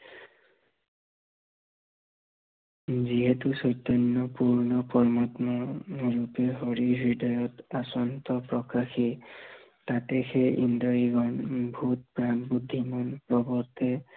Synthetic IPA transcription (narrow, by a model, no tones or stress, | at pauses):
ziɦɛtusɔjt̪ːɔnːɔpuɹnɔpɔɹmatmɔɹupɛɦɔɹibɹidɔjɔtasɔntɔpɹɔkaxi | tatɛxɛʔḭndɔjiɡɔnbʱut̚pɹanbudʱːimɔnpɹɔbɔtɛ